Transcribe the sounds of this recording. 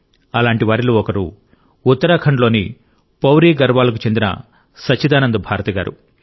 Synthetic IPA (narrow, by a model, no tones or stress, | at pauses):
ɐlaːɳʈiʋaːɾiluɔkɐɾu | ut̪ːɐɾaːkʰɐɳlo̞ːni | pɐwɾiːɡɐɾʋaːlɐk̬ut͡ʃe̞nd̪inɐ̰ | sɐt͡ʃːid̪aːnɐnd̪ɐbʱaːɾɐt̪ɐɡa̰ːɾṵ